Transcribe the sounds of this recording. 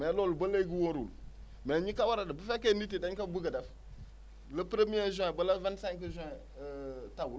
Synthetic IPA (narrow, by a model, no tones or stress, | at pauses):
mɛlolubəleɡiwoɾul | mɛɲikawaɾadabəfekenit̬idaɲkabuɡadaf | ləpɾemiezɔ̃bəlavansakəʒ | tabul